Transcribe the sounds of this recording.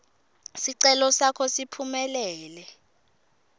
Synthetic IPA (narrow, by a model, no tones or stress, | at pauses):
siǀɛlɔsakʰɔsipʰumɛlɛːlɛ